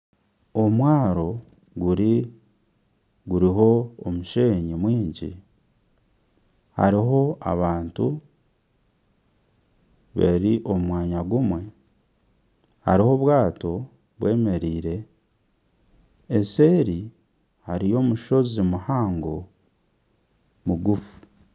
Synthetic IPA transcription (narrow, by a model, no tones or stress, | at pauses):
omwaːɾo̞ | ɡuɾi | ɡuɾiɦo̞ːmuʃe̞ːɲimwiːɲɟḭ | ha̰ɾiɦo̞a̰βaːntu | βḛɾiʔo̞mwaːɲaɡumwe̞ | ha̰ɾiho̞βwaːto̞ | βwe̞ːme̞ɾiːɾe̞ | se̞ːɾi | haɾijo̞ːmuʃo̞zimuhaːŋɡo | muɡufu̥